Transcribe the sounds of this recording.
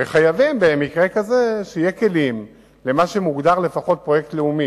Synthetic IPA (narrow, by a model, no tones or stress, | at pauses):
veχajavimbemikʁe̞kazeʃeijeke̞lim | le̞maʃe̞muɡd̪aʁle̞faχo̞t̚pʁo̞je̞ktleumi